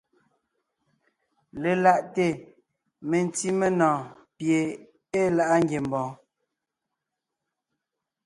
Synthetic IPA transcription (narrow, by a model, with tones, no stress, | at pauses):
le˨la˦˨ʔte˦˨ | me˨n˦ti˦me˦nɔ̃ː˨ | pje˨ | e˦la˨ʔa˦ŋɡje˨m˨bɔ̃ː˨˦